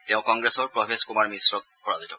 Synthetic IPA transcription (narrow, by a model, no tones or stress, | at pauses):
teʊ̃kɔŋɡɹesɔɹpɹɔbʰʱeskumaɹmisɹɔk̚pʰɔɹazitɔ